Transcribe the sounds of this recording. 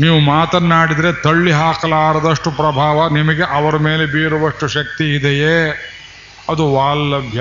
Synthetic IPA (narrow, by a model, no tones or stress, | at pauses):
niːʋumaːt̪ɐnːaːɽid̪ɐɾe̞t̪ɐɭːiɦaːkɐlaːɾɐd̪ɐʂʈupɾɐbʱaːʋɐnimɐɡeʔɐʋɐɾɐmeːle̞biːɾuʋɐʂʈuʃɐk̚t̪iːd̪ɛjeː | ɐd̪uʋaːlːɐbʱja